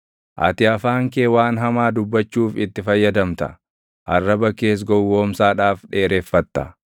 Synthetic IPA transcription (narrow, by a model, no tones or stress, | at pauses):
ʔɐ̰t̪ɪɐfaːŋkeːwaːnɦɐmaːd̪ʊbːɐt͡ʃːuːfɪt̪ːɪfɐjːɐd̪ɐmt̪ɐ̰ | ʔɐrːɐbɐkːe̞ːs̬ɡɔwːoːmsaːᶑaːfᶑe̞ːɾeːfːɐt̪ːɐ̥